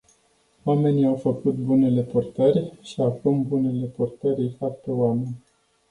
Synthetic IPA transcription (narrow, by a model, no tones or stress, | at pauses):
wame̞niawfəkut̪̚bune̞le̞purt̪ərʲʃiakumbune̞le̞purt̪əɾijfatp̪ewame̞nʲ